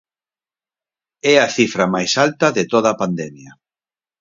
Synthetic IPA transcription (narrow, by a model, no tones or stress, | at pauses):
ɛɐθifɾɐmajsalt̪ɐðɪt̪oð̞ɐpand̪ɛmjɐ